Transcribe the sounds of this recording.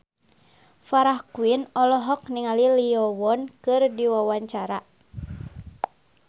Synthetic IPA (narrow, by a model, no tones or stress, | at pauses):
faɾahkwinɔlɔɦɔk̚niŋaliliɔwɔnkɨrdiwawaɲt͡ʃaɾa